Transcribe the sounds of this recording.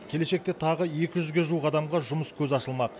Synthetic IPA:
kʲʰe̞le̞ʃe̞k̚t̪e̞t̪ʰɑʁəje̞kʲɪʒʏzɡʲe̞ʒuwəqɑd̪ɑmʁɑʒʊməskʲʰɵzɑʃəlˠmɑq

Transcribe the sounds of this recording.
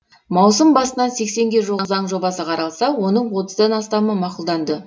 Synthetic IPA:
mɑwsəmbɑsənɑse̞kse̞ŋɡʲe̞ʒozɑɴʒo̞bɑsəqʰɑɾɑlˠsɑwo̞nəɴwo̞t̪əzd̪ɑnɑst̪ɑməmɑqʊlˠd̪ɑnd̪ə

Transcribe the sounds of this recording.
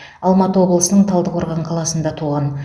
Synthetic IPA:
ɑlˠmɑt̪əwo̞blˠəsənəɴt̪ʰɑlˠd̪əqo̞ɾʁɑɴqʰɑlˠɑsənd̪ɑt̪ʰuʁɑn

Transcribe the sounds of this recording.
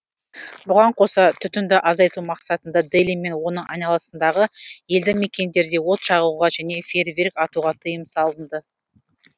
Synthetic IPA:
bʊʁɑɴqʰo̞sɑt̪ʰʏt̪ʏnd̪ɪʔɑzɑjt̪umɑqsɑt̪ənd̪ɑd̪elimːe̞nwo̞nəɴʔɑ̰jnɑlˠɑsənd̪ɑʁəje̞ld̪ɪme̞kʲe̞nd̪e̞ɾd̪e̞wo̞t̪ʃɑʁuʁɑʒæne̞fʲe̞rvʲerkɑt̪uʁɑt̪ʰəjəmsɑlˠənd̪ə

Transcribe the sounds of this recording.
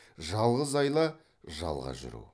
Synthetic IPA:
ʒɑlˠʁəzɑjlˠɑ | ʒɑ̰lˠʁɑ̰ʒʏ̰ɾṵ

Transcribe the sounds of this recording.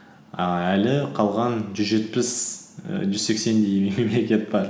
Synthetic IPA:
ælɪqʰɑlˠʁɑnʒʏzʒe̞t̪pɪs | ʒʏzse̞kse̞nd̪ejmeme̞mle̞kʲe̞t̪̚b̥ɑɾ

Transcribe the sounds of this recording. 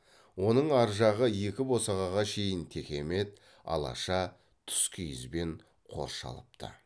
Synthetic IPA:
wo̞nəɴɑɾʒɑʁəje̞kʲɪbo̞sɑʁɑʁɑʃe̞jɪnt̪ʰe̞kʲe̞me̞t̪̚ | ɑ̰lˠɑ̰ʃɑ | t̪ʰʏ̥skʲʰʏjɪ̰zbe̞ɴ | qʰo̞̰ɾʃɑ̰lˠəp̚t̪ʰə̰

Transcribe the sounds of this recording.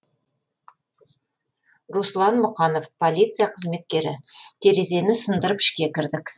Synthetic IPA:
ɾuslˠɑnmʊqɑno̞fpʰo̞lʲˠijt̪sɨjaqʰəzme̞t̪̚kʲe̞ɾɪ̰t̪ʲʰeɾe̞ze̞nɪsənd̪əɾəpɪ̥ʃkʲe̞kʲɪɾd̪ɪk

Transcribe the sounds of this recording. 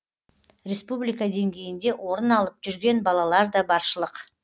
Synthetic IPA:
ɾʲe̞spublijkad̪e̞ŋɡʲe̞jɪnd̪e̞wʔo̞ɾənɑlˠəp̚ʒ̥ʏɾɡʲe̞nbɑlˠɑlˠɑɾd̪ɑbɑɾʃəlˠəq

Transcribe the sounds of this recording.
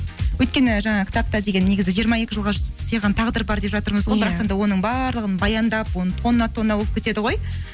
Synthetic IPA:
wɵjt̪̚kʲe̞nɪʒɑɴɑkʲʰɪ̥t̪ʰɑp̚t̪ɑd̪e̞ɡʲe̞nːe̞ɡʲɪzɪʒijəɾmɑe̞kʲɪʒəlˠʁɑsəjʁɑnt̪ʰɑʁd̪əɾbɑɾd̪e̞pʒɑt̪əɾməzʁo̞jbɪɾɑq̪end̪ɑwo̞nəɴbɑɾlˠəʁənbɑjɑnd̪ɑpwo̞nət̪ʰonnɑt̪ʰo̞nnɑwop̚kʲe̞t̪e̞d̪ɪʁo̞j

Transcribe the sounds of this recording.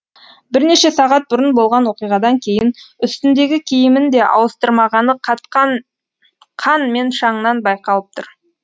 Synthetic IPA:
bɪɾne̞ʃe̞sɑʁɑt̪̚bʊɾənbo̞lˠʁɑnwo̞qijʁɑd̪ɑŋkʲʰe̞jɪnʏst̪ɪnd̪e̞ɡʲɪkʲʰejɪmɪnd̪e̞ʔɑ̰wəst̪əɾmɑʁɑnəqʰɑt̪qɑn | qʰɑnme̞nʃɑɴənɑnbɑjqɑlˠəp̚t̪ʰʊɾ

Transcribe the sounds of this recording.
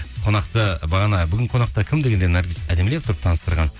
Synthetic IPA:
qʰo̞nɑqt̪əbɑʁɑnɑbʏɡʲɪɴqʰo̞nɑqt̪ɑkʲʰɪmd̪e̞ɡʲe̞nd̪enɑɾɡʲisæd̪emlept̪ʰʊɾəpt̪ʰɑnəst̪əɾʁɑn

